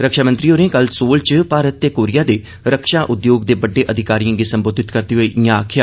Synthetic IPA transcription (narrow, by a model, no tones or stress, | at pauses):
ɾəkʃaːmənt̪ɾiːoːɾẽːkəlsoːlt͡ʃpaːɾət̪ːeːkoːɾɪjaːd̪eː | ɾəkʃaːʔʊd̪joːɡd̪eːbəɖːeːʔəd̪ʱɪkaːɾijãːɡisəmboːd̪ʱɪt̪kəɾt̪iːɦoːiːʔɪjãaːkʰɪjaː